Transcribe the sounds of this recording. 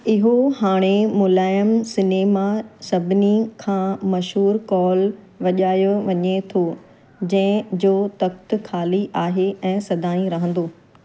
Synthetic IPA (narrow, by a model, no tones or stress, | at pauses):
ɪɦohaːɽ̃emʊlaːjəmsɪneːmasɐbʱɪnikʰãːmɐʃɦuːɾkɔːl | ʋɐʄaːjoʋɐɲet̪ʰo | d͡ʑɐ̃ɦɪ̃d͡ʑoːt̪ɐk̚t̪kʰaːliʔaːɦeʔɛ̃ːsɐd̪ʱaːĩɾɐɦə̃n̆d̪oː